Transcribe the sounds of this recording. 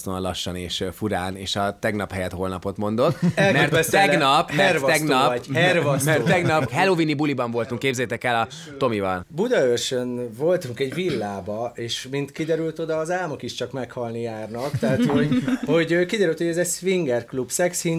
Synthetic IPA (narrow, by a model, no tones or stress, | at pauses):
st̪onlɒʃːɒneːʃfuɾaːneːʃɒt̪ɛɡnɒphɛjɛt̪ho̞lnɒpo̞t̪mo̞nd̪o̞t̪ːɛlmɛɛsɛɡnɒpmɛrt̪ɛɡnɒpmɛrvɒmɛrt̪ːɛɡnɒpɦɛlovinibulibɒɱvo̞lt̪uŋkːeːbzɛːt̪ɛkɛlɒ | t̪o̞mivɒlbud̪ɒørʃønvo̞lt̪uŋkɛɟvilːaːbɒeːʃmint̪kid̪ɛɾylt̪o̞d̪ɒːzaːlmokiʃt͡ʃɒkmɛkhɒlnijaːrnɒkt̪ɛɦat̪ho̞ɟho̞ɟøːkid̪ɛɾylt̪hoɟɛzɛsʋiŋɡɛrklubsɛkshin